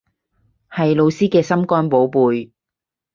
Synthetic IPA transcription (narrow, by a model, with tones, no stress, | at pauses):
hɐ˨jlo˨˧wsiː˥kɛː˧sɐ˥mkɔː˥npo˨˥wpuː˨j